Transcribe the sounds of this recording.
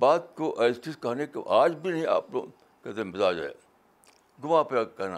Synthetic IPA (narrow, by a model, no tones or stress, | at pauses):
baːt̪koʔeːsʈiskaːnekeaːd͡ʒbʱinɐɦĩa̰ːplo̰ | kɛːt̪ẽmɪzaːd͡ʒ̰ḛ | ɡʊmãːpakɐɾna̰ː